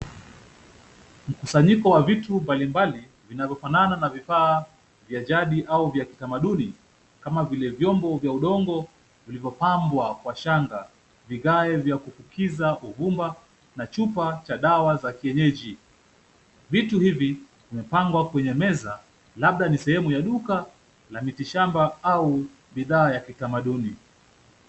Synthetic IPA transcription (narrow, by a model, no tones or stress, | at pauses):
m̩kusaɲikɔwavitumbalimbali | vinavjɔfanananavifaː | vjaʄaɗiʔauvjaki̥tamaɗuni | kamavilɛvjɔmbɔvjauɗɔŋɡɔ | vilivjɔpambwakwaʃaŋɡa | viɣaɛvjakufukʰizaʔuvumba | nat͡ʃupat͡ʃaɗawazakiɛɲɛʄi | vituhivi | kumɛpaŋɡwakwɛɲɛmɛza | laɓ̚ɗanisɛhɛmujaɗuka | lamitiʃambaau | ɓiðaːjakitamaɗuni